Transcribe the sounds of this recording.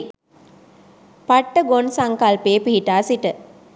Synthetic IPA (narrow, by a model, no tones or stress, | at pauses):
paʈːəɡonsaŋkalpeːpiɦiʈaːsiʈə